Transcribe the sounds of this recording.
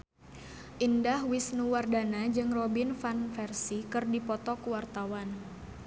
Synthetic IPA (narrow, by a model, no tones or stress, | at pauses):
ʔindahwisnuwardanad͡ʒɨŋrɔbinfanfɛrsikɨrdipɔt̪ɔkuwart̪awan